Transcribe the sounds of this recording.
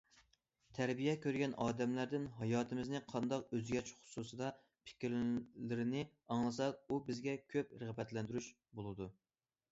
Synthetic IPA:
t̪ʰæɾbijɛkʲøɾɡʲɛnʔɑːd̪ɛmlæɾd̪ɪnɦɑjɑːt̪ʰɨmɪznɪqʰɑnd̪ɑqøzɡʲɛt͡ʃχʊ̥susɨd̪ɑ | pʰɪ̥kʲɾlɪɾɪnɪ | ɑŋlˠɨs̬ɑubɪzɡʲɛkʲʰøp̚ɾɨʁbɛt̪lɛnd̪yɾyʃ | bolˠɨd̪u

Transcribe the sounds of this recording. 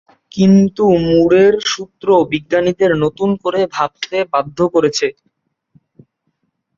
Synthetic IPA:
kint̪umuɽeɾʃut̪ːɾobiɡːanid̪eɾnot̪unkoɾebʱab̚t̪ebad̪ʱːokoɾet͡ɕʰe

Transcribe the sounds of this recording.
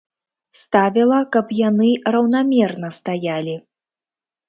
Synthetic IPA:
st̪avʲilˠɐkɐpjanɨrɐwnamʲɛrnɐst̪ajalʲi

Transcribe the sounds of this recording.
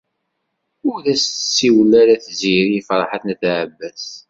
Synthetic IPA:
ʊɾðæst̪sːiwlːæɾæθziɾifɾˤɑħaθnæθʕəbːæs

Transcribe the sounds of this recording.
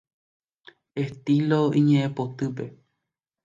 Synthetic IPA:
e̞st̪iloĩɲẽʔẽpot̪ɨp̬e̞

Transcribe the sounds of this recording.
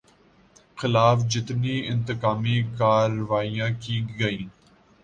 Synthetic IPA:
xɪlaːfd͡ʒɪt̪niɪ̃nt̪ɪkaːmikaːɾʋaːijãːkiɡɐĩː

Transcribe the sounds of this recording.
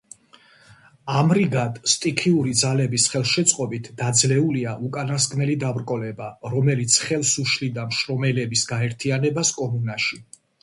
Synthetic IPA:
amɾiɡat̪ʼst̪ʼikʰiuɾid̪zalɛbisχɛlˠʃɛt̪sʼqʼɔbit̪ʰd̪ad̪zlɛuliaʔukʼanaskʼnɛlid̪avɾkʼɔlɛbaɾɔmɛlit̪sʰχɛlˠsuʃlid̪amʃɾɔmɛlɛbisɡaɛɾt̪ʰianɛbaskʼɔmunaʃi

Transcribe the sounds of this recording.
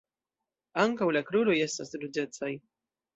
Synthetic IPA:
aŋkawlakɾuɾo̞je̞stasɾud͡ʒe̞t͡saj

